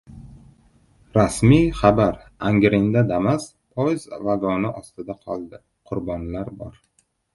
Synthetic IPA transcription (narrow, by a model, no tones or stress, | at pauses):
ɾasmijχabaɾ | aŋɡʲɾɪnd̪ad̪amas | pʰɒjzvaɡɒnɪʔɒst̪ɪd̪aqʰɒlˠd̪ɪ | qʰʊɾbɒnlaɾbɒɾ